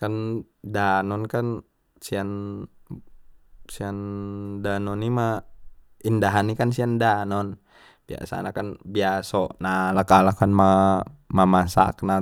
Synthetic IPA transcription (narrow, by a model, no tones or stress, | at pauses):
kandanɔnkan | sian | siandanɔnima | indaɦanikansiandanɔn | b̥ia̰sa̰nakanbiasɔnalakalakanmamamasa̰kna